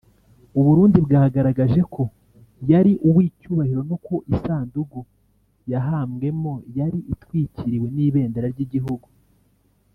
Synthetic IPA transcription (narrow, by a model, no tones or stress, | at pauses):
uβuɾuːndibɡaːhaɡaɾaɡaʒe̞kʰo̞ | jaɾiʔuwiːcuːβahiɾo̞nokoʔisaːnduɡu | jaɦaːmɡe̞mo̞jaɾiʔitwiːciɾiwe̞niːβe̞ːndeɾaɾɟiɟiɦuɡu